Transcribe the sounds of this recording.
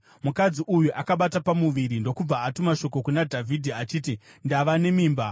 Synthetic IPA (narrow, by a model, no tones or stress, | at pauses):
mukad͡ziʔujuʔakaɓatapamuʋiɾindo̞kub͡vaːtumaʃo̞k̬o̞kunadʱavʱidʱiat͡ʃiːtindaʋane̞miːmba